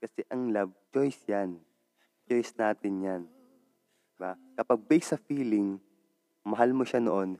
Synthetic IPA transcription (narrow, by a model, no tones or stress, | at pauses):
kɐsɛʔɐŋlab̚t͡ʃojsjan | t͡ʃojsnaːt̪ɪnjan | d̪ɪbakɐpaɡ̚bɛjɡsɐfiːlɪŋ | mɐɦalmoʃanoʔon